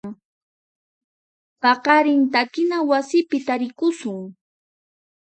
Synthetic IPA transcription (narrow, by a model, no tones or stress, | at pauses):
ŋ | pɑqɑɾɪnt̪akɪnawasɪpɪt̪aɾɪkʊsʊŋ